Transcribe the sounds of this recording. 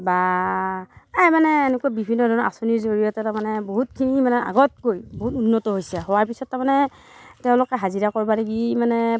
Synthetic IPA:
ba | ajmanɛenɛkuabibʱinːɔdʱɔnɔa̰soniɹzoɹijɔtɛtamanɛboɦutkʰinimanɛa̰ɡɔt̚kojboɦutunːɔtɔɦojsɛɦɔwaɹpisɔtːamanɛ | tɛʊ̃lʊkɛɦaziɹakɔɹbaneɡimanɛ

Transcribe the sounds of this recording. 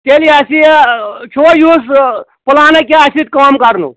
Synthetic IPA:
t̪eliasit͡ʃʰoːjuspulaːnekeɐsit̪̚kaːmkɐɾnṵ

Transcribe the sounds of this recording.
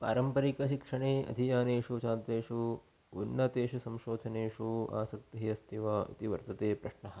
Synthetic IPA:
pa̰ːɾɐmpɐɾikɐʃikʂɐɳeːʔɐ̰d̪ʱijaːneːʂut͡ʃaːnt̪ɾeːʂu | unːɐt̪eːʃusɐmʃoːd̪ʱɐneːʂua̰ːsɐk̚t̪iɦiɐst̪ʰiʋaːḭt̪iʋɐɾt̪ɐt̪eːpɾɐʂɳɐɦɐ̆

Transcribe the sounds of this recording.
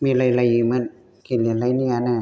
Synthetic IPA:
miːlajlajɯmɯn | kʰilinlajniana

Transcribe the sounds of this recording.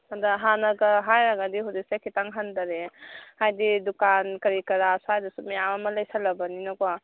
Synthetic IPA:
adaɦanɐɡɐɦajɾaɡadiɦudik̚sekʰitaŋɦandaɾehajdidukankɐɾikɐɾasajdusumejamamɐlɐjsalɐbɐninɔkwa

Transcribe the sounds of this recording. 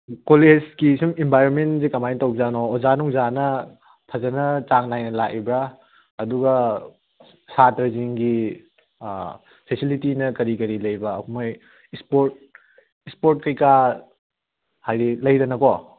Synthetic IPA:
kolezkisumembʱajɾonmentzikɐmajntawbzanɔːzanuŋzanɐ | pʰɐzɐnɐt͡ʃaŋnajnɐlaʔibɾa | ɐduɡɐ | satɾɐziŋɡi | pʰesilitinɐkɐɾikɐɾilɐjbɐːkʰumoj | ispoɾt̚ | ispoɾt̚kɐjka | hajɾilɐjɾɐnɐkɔ

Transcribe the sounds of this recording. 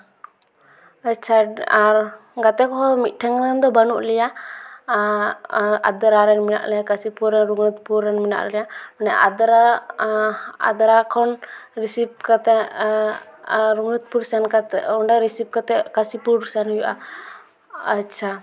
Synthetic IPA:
at͡ʃʰaa | ɡat̪ɛkɔɦɔmiʈʰaŋɾɛnd̪ɔbanuʔlija | a̰d̪aɾaɾɛnmina̰ʔlɛjakasipuɾɛnɾuŋɾut̪̚puɾɛnmina̰ʔlɛjamanɛʔa̰d̪ɾa | a̰d̪aɾakʰɔnɾisip̚kat̪ɛ | ɾuŋɾut̪̚puɾsankat̪ɛuɳɖaɾisip̚kat̪ɛkasipuɾisanhujuʔa̰ | at͡ʃʰa

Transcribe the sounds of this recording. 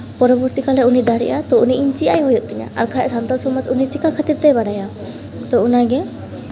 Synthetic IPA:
pɔɾɔbɔɾt̪ikalɛunid̪aɽḭʔat̪ɔuniʔːɲt͡ʃijajɦɔjɔt̪̚ˀt̪ɛɲa̰a̰ɾkʰaʔsant̪alsɔmɔd͡ʒunit͡ʃikakʰat̪iɾt̪ɛjbaɽaja | t̪ɔunaɡɛ

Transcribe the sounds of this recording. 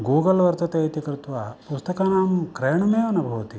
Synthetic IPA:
ɡuːɡɐlʋɐɾt̪ɐt̪eɐt̪ikɾut̪ʋaːpust̪ɐkaːnaːmkɾeːjɳɐmeːʋɐnɐbʱɐʋɐt̪i

